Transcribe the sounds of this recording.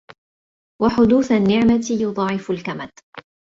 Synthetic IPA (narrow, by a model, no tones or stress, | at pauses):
waħʊd̪uːθanːɪʕmat̪jʊd̪ˤɑːʕɪfʊlkamad̪